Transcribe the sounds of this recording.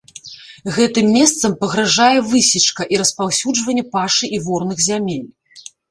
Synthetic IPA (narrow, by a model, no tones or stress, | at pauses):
ɣɛt̪ɨmːʲɛst̪sɐmpɐɣɾaʐajɛvɨsʲit͡ʂkɐʔiɾɐspawsʲud͡ʐvɐnʲːɛpaʂɨʔivɔrnɨɣzʲamʲelʲ